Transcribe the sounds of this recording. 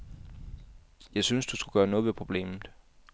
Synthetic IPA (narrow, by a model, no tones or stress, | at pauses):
jɑ̈ɪsynsd̥usɡ̥uɡ̥ɶːɐnɔ̽ːðˠʋe̝pʰʁo̝b̥le̝̰ːmð̩ˠ